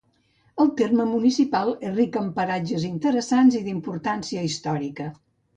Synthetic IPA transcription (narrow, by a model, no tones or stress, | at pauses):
əlˠt̪erməmunisipalˠerikəmpəɾad͡ʒəzint̪əɾəsanziðimpuɾt̪ansiəist̪ɔɾikə